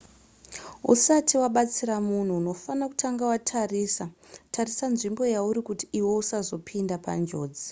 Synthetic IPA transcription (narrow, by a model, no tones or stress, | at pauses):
ṵsatiwaɓat͡siɾamun̤uːno̞fanaku̥tʰaŋɡawatʰarisatʰarisanʐimbo̞jauɾikutiiwo̞usazo̞pʰindapa̰nd͡ʒo̞̰ːd͡zi